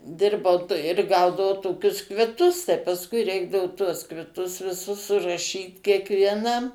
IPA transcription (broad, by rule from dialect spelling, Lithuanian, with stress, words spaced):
ˈdʲɪrbɐʊ ɪr ˈɡɐʊdɐʋɐʊ ˈtoːkʲʊs kʋʲɪˈtʊs tɐɪ pɐsˈkʊɪ ˈrʲɛɪɡdɐʋʊ tuɔs kʋʲɪˈtʊs ʋʲɪˈsʊs sʊrɐˈʃʲiːt kʲiɛkʋʲiɛˈnɐm